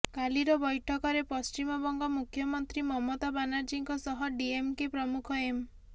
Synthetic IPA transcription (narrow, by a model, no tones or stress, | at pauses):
kaliɾɔbɔjʈʰɔkɔɾepɔst͡ʃimɔbɔŋɡɔmukʰjɔmɔnt̪ɾimɔmot̪abanaɾd͡ʒiŋkɔsɔɦɔɖiemkipɾɔmukʰɔem